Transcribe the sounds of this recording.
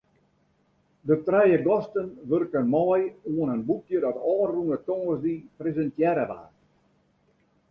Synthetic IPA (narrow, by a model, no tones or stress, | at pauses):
dətrɛjəɡɔstənʋørkənmɔːjuənənbutjədɔtɔːunətɔŋəzdiprezəntjɛɾəʋa̰ːr